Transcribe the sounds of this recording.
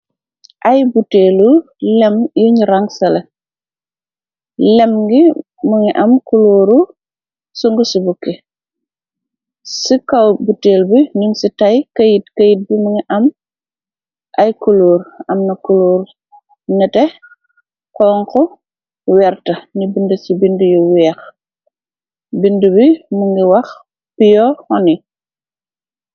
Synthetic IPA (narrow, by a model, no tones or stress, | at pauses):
ʔɐjbuteːlu | lɛmjuɲɾaŋsɐlɐ | lɛmɡi | muŋiʔɐmkuluːɾu | suŋɡusubukːi | sikawbuteːlbiɲuŋsitɐjkɐjitkɐjit̚bimuŋiʔɐm | ʔɐjkuluːɾɐmnɐkuluːɾ | nɐtɛ | kɔːŋkɔ | wɛrtɐnibundɐt͡ʃibindujuwɛːx | bindubimuŋɡiwɐx | pijɔhɔni